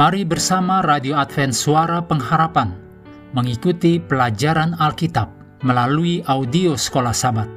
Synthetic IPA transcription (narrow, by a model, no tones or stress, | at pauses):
maɾibərsamaradioat̪fɛnsuaɾapəŋɦaɾapan | məŋikut̪ipəlad͡ʒaɾanalkit̪ap̚ | məlaluiʔaudiosə̥kolahsabat̪̚